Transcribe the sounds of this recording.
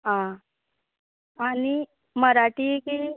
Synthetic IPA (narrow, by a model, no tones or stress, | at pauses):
ɦã | ani | məɾaʈiːki